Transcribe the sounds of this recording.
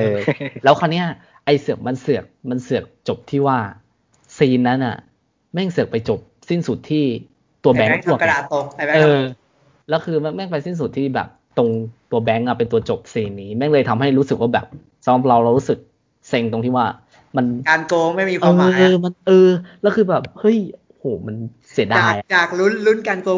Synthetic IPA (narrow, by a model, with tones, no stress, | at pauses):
ʔɤː˧lɛː˦˥wkʰɔː˧nːi˦˥ɐ | ʔa˧jsɯ˨˩ək̚ma˧nsɯ˨˩ək̚ma˧nsɯ˨˩ək̚t͡ɕo˨˩p̚t̪ʰiː˥˩waː˥˩ | siː˧nːa˦˥nʔa̰˨˩ | mɛ˥˩ŋsɯ˨˩ək̚pa˧jt͡ɕo˨˩p̚si˥˩nsu˨˩t̪ʰːiː˥˩ | t̪u˧ɐbɛ˦˥ŋt̪u˥˩əkdaː˨˩o˨˧˩a˧˥ʔɤː˧ | lɛː˦˥wkʰɯː˧mɛ˥˩mɛ˥˩ŋpa˧jsi˥˩ns̬u˨˩t̪ʰːiː˥˩bɛ̰ː˨˩p̚t̪o˧ŋt̪u˧ɐbɛ˦˥ŋʔa˨˩pe˧nt̪u˧ɐt͡ɕo˨˩p̚siː˧nːiː˦˥mɛ˥˩ŋlɤː˧jt̪ʰa˧mɦa˥˩jɾu˦˥sɯ˨˩k̚waː˥˩bɛː˨˩p̚ | sa˨˩˦mɾa˨˩ɾa˧wɾa˧wɾuː˦˥sɯ˨˩k̚ | se˧ŋt̪o˧ŋt̪ʰiː˥˩waː˥˩ | ma˧nkaː˧nkoː˧ŋma˥˩jmiː˧kʰɤː˧a˦ma˧nʔɤː˧lɛː˦˥wkʰɯː˧bɛː˨˩p̚hɤ˦˥˩jʔo˧˩hoː˨˩˦ma˧n | si˨˩˦daaː˧˩˨ja˨t͡ɕaː˨˩k̚lu˦˥nlu˦˥nkaː˧nkoː˧